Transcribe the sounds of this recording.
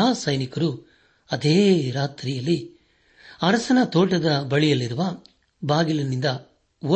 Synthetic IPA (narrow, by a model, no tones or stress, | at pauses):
aːsɐjnikɐɾu | ɐd̪eːɾaːt̪ɾijɐlːi | ɐɾɐsɐnɐt̪ɔːʈɐd̪ɐbɐɭijɐlːiɾuʋɐ | baːɡilɐnːind̪ɐ | o